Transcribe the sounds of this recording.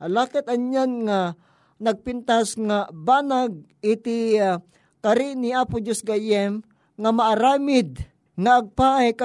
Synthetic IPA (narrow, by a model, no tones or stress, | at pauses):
halaːkɛt̪ɐnɲanŋa | nɐɡ̚pɪnt̪asŋabaːnaɡ̚ | ɪt̪ɪ | kaɾɪniaːpʊd͡ʒosɡajɛm | ŋamaːɾaːmɪd̪̚ | ŋaʔːɡ̚paʔajka